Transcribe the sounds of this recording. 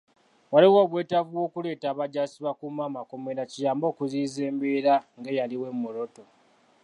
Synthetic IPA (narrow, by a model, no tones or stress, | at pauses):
waliwoːβwe̞ːtavuwo̞ːkule̞ːtaːβaɟasiβakumaːmako̞meɾacijaːmbo̞ːkuziːze̞ːmbeɾaŋɡejaliwe̞mːuɾo̞to̞